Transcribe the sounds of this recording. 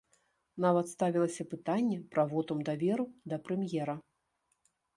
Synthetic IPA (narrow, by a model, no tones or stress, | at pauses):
n̪avɐt̪st̪avʲilˠɐsʲɐpɨt̪anʲːɛpɾɐvɔt̪ɐmd̪avʲɛɾud̪ɐpɾɛmjɛɾɐ